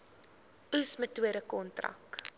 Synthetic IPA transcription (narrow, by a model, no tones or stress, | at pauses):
usmətuəɾəkɔntrɐ̰k